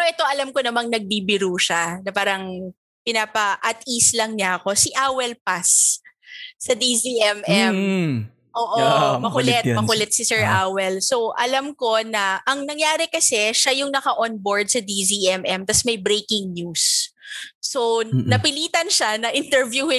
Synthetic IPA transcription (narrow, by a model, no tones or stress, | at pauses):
ɛoʔɛt̪o̞ʔɐlamkonɐmaŋnɐɡ̚bibɪɾuʃanɐpaːɾɐŋ | pɪnaːpɐʔɐt̪ʔislɐŋɲaɐko̞sɪʔaːwɛlpasː | ɐd̪iziʔɛmɛm | ʔoːʔomɐkʊlɛt̪̚mɐkʊlɛt̪̚sɪsɛɹʔaːwɛlso̞wʔɐlamko̞nɐʔɐŋnɐŋjaːɾɪkɐsɛʃajʊŋnɐkɐʔonboɹd̪̚sɐd̪iziʔɛmɛmt̪ɐsmɐjbɾejkɪŋɲjusː | onɐpɪliːt̪ɐnʃanɐʔɪnt̪ɛɹvjuhɪ